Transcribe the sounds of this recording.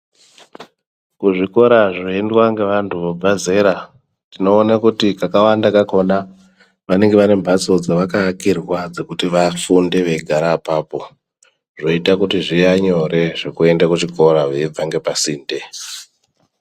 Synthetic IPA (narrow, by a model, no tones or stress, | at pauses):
kuʐiko̞ɾaʐoendwaŋɡe̞ʋantʰuʋobʱaze̞ɾa | tino̞ːnakutikakawandakako̞na | ʋane̞ŋɡe̞ʋane̞mbʱaso̞d͡zaʋakakirwad͡ze̞kutiʋafunde̞ʋe̞ɡʱaɾaːpaːpo̞ | ʐo̞itakutiʐijaɲo̞ɾe̞ʐe̞kue̞ndakut͡ʃiko̞ɾaʋeib͡vaŋɡe̞pasiːnde̞